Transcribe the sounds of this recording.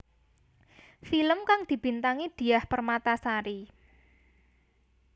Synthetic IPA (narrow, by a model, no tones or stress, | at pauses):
filəmkaŋd̪̥i̤b̥i̤nt̪aŋid̪̥i̤ahpərmat̪asaɾi